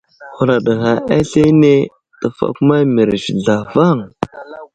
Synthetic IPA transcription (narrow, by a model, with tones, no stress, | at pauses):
hu˨ɾa˨ɗa˨ɣa˨ʔa˦ɬe˦ne˦ | tə˨fa̰˨ku˦ma˦mi˨ɾʒi˨ɮa˨va˦˨ŋ